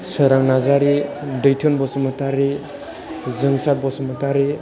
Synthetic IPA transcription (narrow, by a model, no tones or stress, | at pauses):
səɾaŋnazaɾi | dɯjtʰɔnbɔsɔmɯtaɾi | zɯŋsak̚bɔsɔmɯtaɾi